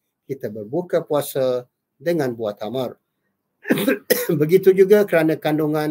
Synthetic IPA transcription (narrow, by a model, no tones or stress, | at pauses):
kit̪abərbukapuasa | dəŋanbuaht̪amər | bəɡit̪ud͡ʒuɡakəɾanãkanduŋãn